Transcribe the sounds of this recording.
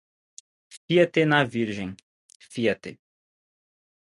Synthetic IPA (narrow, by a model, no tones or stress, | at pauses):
fiɐt̪enaviɾʒẽj̃ | fiɐt̪ḛ